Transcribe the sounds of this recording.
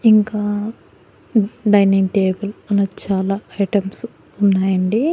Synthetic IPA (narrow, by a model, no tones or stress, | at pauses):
iŋkaː | ɖɐjniŋʈeːbɐlɐlɐt͡ʃaːlaːɐjʈɐms | unːaːjɐɳɖi